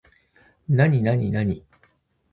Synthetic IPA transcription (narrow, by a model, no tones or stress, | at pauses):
naɲinaɲinaɲi